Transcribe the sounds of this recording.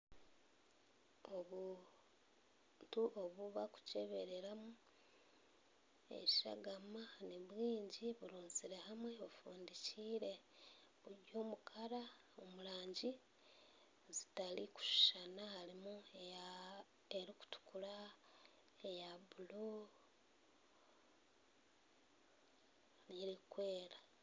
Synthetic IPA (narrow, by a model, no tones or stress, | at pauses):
oβu | ntuʔoβuβaku̥ce̞βe̞ɾe̞ɾamu | ḛβiʃa̰ɡamaniβwiːɲɟiβuluːnziɾe̞hamwe̞βufuːndiciːɾe̞ | βuɟoːmukʰaɾa | omulaːɲɟi | zitaliku̥ʃu̥ʃanahalimuea | eɾiku̥tu̥kula | ejaβulo | niɾikwe̞ːɾa